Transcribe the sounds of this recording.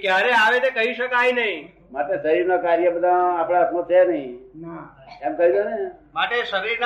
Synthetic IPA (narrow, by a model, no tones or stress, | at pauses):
kjaɾeaʋet̪ekəɦiʃəkajnəɦĩ | maʈesəɾiɾnokaɾjəbəd̪ʱãːpɽ̃asõt͡ʃʰenəɦĩ | ɛmkəɦid̪onemaʈesəɾiɾn